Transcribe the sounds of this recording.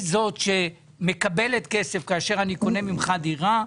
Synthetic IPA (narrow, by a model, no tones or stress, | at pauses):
zo̞tʃe̞ | me̞kabeletkesefkaːʃe̞ʁaniko̞ne̞mimχadiʁa